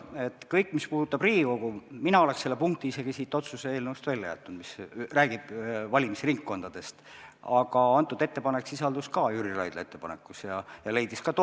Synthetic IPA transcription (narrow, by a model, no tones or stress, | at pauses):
et̪ːˑkɤjkːˑmispuːd̥̪ut̪ːˑɑbriːiko̞ɡ̥uminɑo̞le̞kse̞lːepuŋk̚t̪iise̞ɡ̥isiːt̪ːˑo̞t̪suseeːlnevust̪vælʲːɑjæ̰t̪ːˑund̪misræːɡ̥ib̥vɑlʲimisriŋkːo̞nd̪̥ɑd̪̥e̞st̪ɑɡ̥ɑɑnt̪ːˑud̪e̞t̪ːe̞pɑne̞ksisɑld̪̥uskɑjyɾilɑ̰jd̪̥leet̪ːepɑne̞̰kːˑusjɑjɑle̞jd̪iskɑt̪